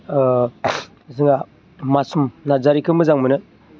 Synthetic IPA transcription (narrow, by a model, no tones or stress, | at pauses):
zɯŋa | masumnazaɾikɯmɯzaŋmɯnɯ